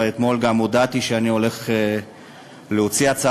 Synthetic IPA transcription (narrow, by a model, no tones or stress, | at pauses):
et̪mo̞lɡamod̪at̪iʃeanio̞le̞χe | leot͡siat͡sa